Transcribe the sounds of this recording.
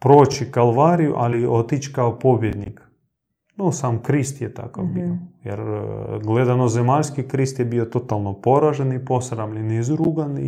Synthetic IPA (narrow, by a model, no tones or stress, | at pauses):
pɾoːt͡ʃikalˠʋaːɾijṵʔaliot̪it͡ʃkaopobjed̪nik | nosaːmkɾist̪jet̪a̰kafbiojḛɾɡled̪anozemaʎʲskikɾist̪jebiot̪o̞t̪alˠnopo̞ɾaʒenipo̞sɾamʎenizɾuɡani